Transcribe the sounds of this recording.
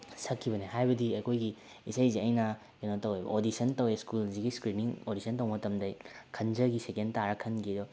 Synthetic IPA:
sɐkʰːiβɐnehajbɐdiɐkʰojɡi | isɐjziɐjnɐ | kenotɐwejbɐ̰ʔodisɐntɐweskulziɡiskɾiniŋodisɐntɐwmɐtɐmdɐjkʰɐnd͡ʒɐɡisekentaɾɐkʰɐnɡidɔ

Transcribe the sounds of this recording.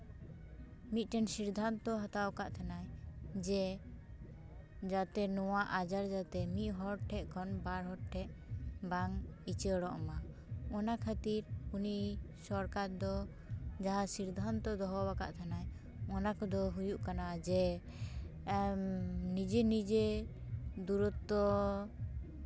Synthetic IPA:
mit̪̚ˀʈɛnsiɾd̪ʱant̪ɔɦat̪awkaʔt̪ʰanajd͡ʒɛ | d͡ʒat̪ɛnɔwaʔad͡ʒaɾd͡ʒat̪ɛmiʔ̪ɦɔɾʈʰːɛʔkʰɔnbaɾɦɔʈ̚ʈʰɛʔbaŋit͡ʃəɽɔʔɔma | ɔnakʰat̪iɾunisɔɾkaɾd̪ɔ | d͡ʒaɦasiɾd̪ʱant̪ɔd̪ɔɦɔbaka̰ʔt̪ʰanaj | ɔnakɔd̪ɔɦujuʔkanad͡ʒɛ | nid͡ʒɛnid͡ʒe | d̪uɾut̪ːɔ

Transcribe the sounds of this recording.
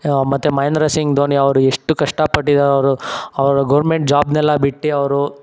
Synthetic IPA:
mɐt̪ːumɐjnɐɾɐsiŋɡd̪oːniɐʋɐɾueʂʈukɐʂʈɐpɐʈːid̪aːɾɐʋɐɾuɐʋɐɾɐɡɐʋɾmeɳʈ̚d͡ʒaːbnɛlːɐbiʈːiɐʋɐɾu

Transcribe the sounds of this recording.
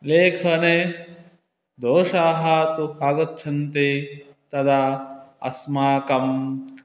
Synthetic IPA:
leːkʰɐne | d̪oːʂaːɦɐt̪ubaːɡɐt̪ːt͡ʃʰɐnt̪e | t̪ɐd̪aɐ̰smaːkɐm

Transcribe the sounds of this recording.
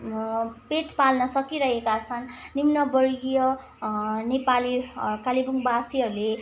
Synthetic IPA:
pet̪palnʌsʌkiɾʌɦekat͡sʰʌnːimnʌbʌrijʌ | nepalikalibuŋbasiɦʌɾule

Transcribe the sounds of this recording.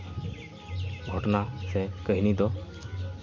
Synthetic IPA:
ɡʱɔʈnasɛkəɦinit̪ɔ

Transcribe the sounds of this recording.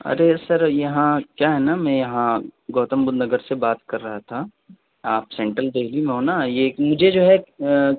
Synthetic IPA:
ɐ̰ɾesɐɾjɐɦãkjaːɦɛnamɛ̃jɐɦãɡoːt̪əmbʊd̪nɐɡəɾsebaːt̪kɐɾːɐɦat̪ʰa | aːpsɛ̃ːɳʈɾəlb̪eɦlimẽɦoːnajeːmʊd͡ʒʱed͡ʒoːɦɛ

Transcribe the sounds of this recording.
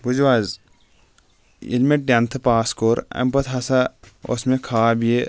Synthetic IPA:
bud͡ʒwaːz | ḭlmeʈɐnt̪ʰɨpaːskoːɾɐ̰mpɐt̪ʰɦɐsao̰smẽkʰaːbije

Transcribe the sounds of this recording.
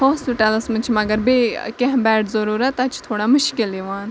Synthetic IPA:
hoːspɪʈələsmɐt͡ʃʰmɐɡəɾbekɛ̃ɦbɛːʈzɐɾuːɾat̪ɐt͡ʃʰt̪ʰoːɽaːmʊʃkɪleːʋaːn

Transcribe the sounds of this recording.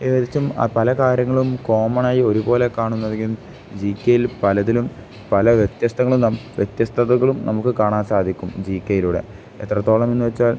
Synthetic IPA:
eːðit͡ɕːum̰pɐlɐkaːɾjɐŋːɐɭumko̞ːmɐɳaːjio̞ɾubo̞ːle̞kaːɳunːɐðeŋɡium | d͡ʑiːkʲːejilpɐlɐðilum | pɐlɐʋjet̪jɐst̪ʰɐŋːɐɭumnɐʋjet̪jɐst̪ʰɐðɐɣɐɭumnɐmukːɨkaːɳaːnsaːd̪ʱikʲːumd͡ʑiːkʲːejiluːɽe̞̰ | et̪ːrɐt̪ːo̞ːɭɐmenːuʋet͡ɕːaːl

